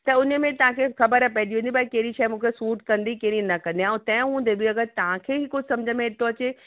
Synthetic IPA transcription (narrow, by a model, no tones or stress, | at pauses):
t̪ɐʊnəmẽt̪ɐʋ̤ãkʰexɐbəɾpɛɪd̪iɦũːnd̪ibakeɦɪɾiʃaːimũːkʰesuːʈkɐ̃nd̪ikeɾinɐkɐ̃nd̪iãũt̪ɐ̃ːj̃ɦũːnd̪ebɪɐɡəɾt̪ɐʋ̤ãkʰeːɦɪkosɐ̃md͡ʑʱəmẽɪt̪oɐt͡ɕe